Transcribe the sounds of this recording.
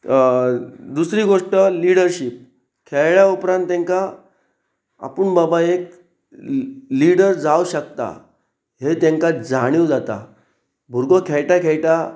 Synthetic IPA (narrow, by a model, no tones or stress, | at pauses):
d̪usɾiːɡoʂʈəliɽəɾɕip̚ | kʰeɭɭjaupɾãnt̪ːẽŋka | a̰puɳbabaek̚ | liɽəɾd͡zawɕək̚t̪a̰ | ɦet̪ẽŋkad͡zaɽ̃iwd͡zat̪a̰ | bʱuɾɡəkʰɛɭʈakʰeɭʈa